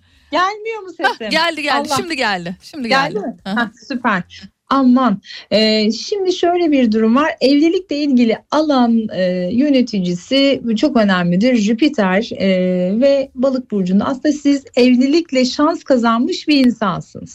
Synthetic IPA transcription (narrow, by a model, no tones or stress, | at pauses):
ɟælʲmijo̞ɾmuseɛɟælʲd̪iɟælːˠaimd̪iɟælʲd̪ɪʃimd̪iɟælʲdd̪imɪsypʰæɾ̥ | amːanɛːʃimd̪iʃø̞jlʲɛbiɾd̪uɾumvaɾɛvlʲilʲiclʲɛilʲɟilʲialˠanɯjø̞ne̞t̪ʰid͡ʒisit͡ʃʰo̞kø̞næmlʲid̪iɾʒypit̪ʰæɾ | vɛbalˠɯk̚buɾd͡ʒund̪aa̰snd̪asizɛvlʲilʲiclʲɛʃanskʰazanmɯʃbiɾinsansɯ̰nz̥